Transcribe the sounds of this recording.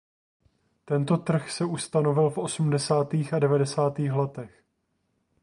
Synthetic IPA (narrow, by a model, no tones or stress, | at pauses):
t̪ɛnt̪o̞t̪r̩xsɛʔust̪ano̞vɪlfʔo̞sumdɛsaːt̪iːxadɛvadɛsaːt̪iːxlɛt̪ɛx